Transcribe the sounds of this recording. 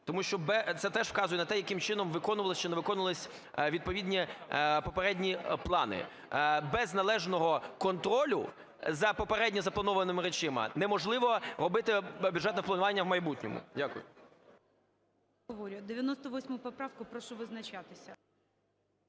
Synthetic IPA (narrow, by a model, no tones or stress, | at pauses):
t̪ɔmuʃt͡ʃɔbɛt̪sɛt̪ɛʃwkɑzʊjɛnɐt̪ɛjɐkɪmt͡ʃɪnɔmʋɪkɔnʊʋɐlˠɔst͡ʃɪnɛʋɪkɔnʊʋlˠɪsʲ | ʋʲid̪̚pɔʋʲidʲnʲipɔpeɾɛdʲnʲiplˠɑnɪ̰ | bɛznɐlˠɛʒnɔɦɔkɔnt̪ɾɔlʲʊ̰ | zɐpɔpeɾɛdʲnʲɔzɐplˠɐnɔʋɐnɔmɪɾet͡ʃɪmɐ̰nɛmɔʒlˠɪʋɔɾɔbɪt̪ɪbʲjud̪ʒɛt̪nɔplˠɐnʊʋɑnʲːɐwmɐjbutʲnʲɔ̰mʊ̰dʲakʊjʊ̰ | ɔʋɔɾʲʊd̪ɪʋʲjɐnɔst̪ɔʋɔsʲmɔjʊpɔpɾɑwkʊpɾɔʃɔʋɪznɐt͡ʃat̪ɪsʲɐ